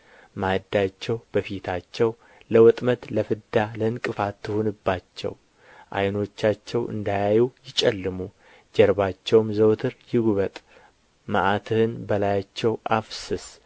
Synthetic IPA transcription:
mad̪ːat͡ʃːɛwbəfit̪ʰat͡ʃːɛw | ləwɔt̪ʼmət̪ləfɨd̪alənkʼɨfat̪ʰːɨhonɨbːat͡ʃːɛ̰w | ʔa̰jno̞t͡ʃːat͡ʃːɛwɨ̰nd̪ajajujɪt͡ʃʼɛlːɨmu | d͡ʒɛɾbat͡ʃːɛwmzəwt̪ʰɨɾjɪɡuβət̪ʼ | məʔat̪ʰɨhɨnbəlajat͡ʃːɛwʔafsɨs

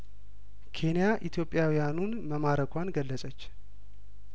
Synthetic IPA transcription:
kʰe̞nijaʔit̪ʰjo̞pʼːjawijanunməmaɾəkʰʷanɡəlːəsʼət͡ʃː

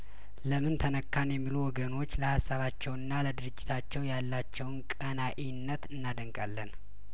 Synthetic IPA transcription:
ləmɨnt̪ʰənəkːanjɛmːiluwɔɡəno̞t͡ʃːləhasːaβat͡ʃːɛwɨnːaləd̪ɨɾɨd͡ʒːɪt̪ʰat͡ʃːɛwjalːat͡ʃːɛwnkʼənaʔinːət̪ɨnːad̪əŋkʼalːən

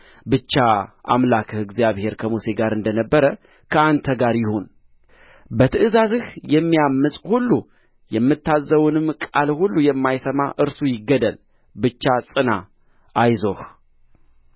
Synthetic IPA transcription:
bɨt͡ʃːaʔa̰mlakʰɨhɨɡzijaβhe̞ɾkʰəmuse̞ɡaɾɨnd̪ənəbːəɾə | kʰəant̪ʰəɡaɾjɪho̞n | bət̪ʰɨʔɨzazɨhjɛmːijamːɨsʼhulːu | jɛmːɨt̪ʰːazːəwunɨmkʼalhulːujɛmːajsəma̰ʔɨɾsujɪɡːəd̪əl | bɨt͡ʃːasʼɨna | ʔajzo̞h

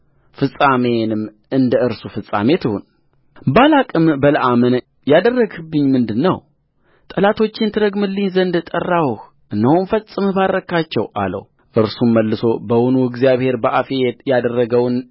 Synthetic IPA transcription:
fɨsʼame̞nɨmː | ɨnd̪əɨɾsufɨsʼa̰met̪ʰɨhṵn | balakʼɨmbələʔamɨn | jad̪ərːəɡɨbːɨɲːmɨnd̪ɨnːəw | t̪ʼəlat̪ʰo̞t͡ʃːɪnt̪ʰɨɾəɡmɨlːinzənd̪t̪ʼərːawh | ʔɨnːəwnfəsʼɨmbaɾːəkʰat͡ʃːɛwʔa̰lə̰w | ʔɨɾsuməlːɨso̞bəwunuɨɡzijaβhe̞ɾbəʔafejjad̪ərːəɡəwn

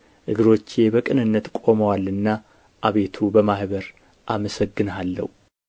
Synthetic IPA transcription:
ʔɨɡɨɾo̞t͡ʃːebəkʼɨnɨnːət̪kʼo̞məwalːɨnːa | ʔaβe̞t̪ʰubəmahβəɾ | ʔaməsəɡːɨnalːə̰hu

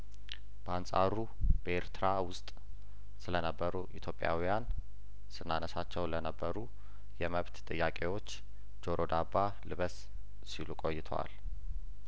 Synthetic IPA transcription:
b̥əansʼa̰ɾu | b̥əeɾt̪ʰɨɾawʊst̪ʼ | sɨlənəbːəɾuʔit̪ʰjo̞pʼːja̰wijan | sɨnːanəsat͡ʃːɛwlənəbːəɾu | jɛməβt̪t̪ʼɨjːakʼe̞wo̞t͡ʃː | d͡ʒo̞ɾʔod̪aba | lɨβəs | silukʼo̞jːɪt̪ʰəwa̰l

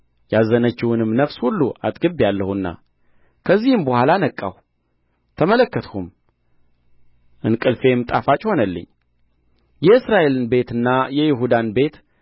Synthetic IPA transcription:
jazənət͡ʃːɪwunɨmnəfshulːuʔa̰t̪ʼɡɨbjalːəhunːa̰ | kʰəzːihɨmbəhʷalanəkʼːaw | t̪ʰəmələkːət̪hum | ʔɨnkʼɨlfe̞mɨt̪ʼafat͡ʃʼho̞nəlːɨ̰ɲː | jɛɨsɾaʔe̞lɨnbe̞t̪ɨnːajɛjɪɦud̪anbe̞t̪

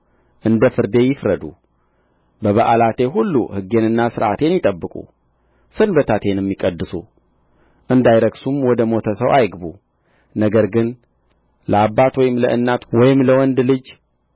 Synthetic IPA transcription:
ʔɨnd̪əfɨɾd̪e̞jɪfɾəd̪u | bəβəʔalat̪ʰe̞ɦulːṵhɨɡːe̞nɨnːasɨɾʔa̰t̪ʰe̞njɪt̪ʼəbːɨkʼṵ | sɨnbət̪ʰat̪ʰe̞njɛmːikʼəd̪ːɨsu | ʔɨnd̪ajɾəɡsumwɔd̪əmo̞t̪ʰəsəwʔajɡbu | nəɡəɾɡɨn | ləabːat̪wɔjɪmləʔɨnːat̪wɔjɪmləwɔnd̪lɨd͡ʒ

